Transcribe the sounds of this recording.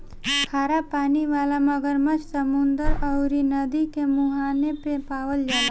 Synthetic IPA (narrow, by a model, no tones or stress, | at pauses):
kʰaːɾapaːniʋaːlamɐɡəɾmət͡ʃʰsəmʊnd̪əɾəʊɾinɐd̪ikemuɦaːnepepaːʋəld͡ʒaːla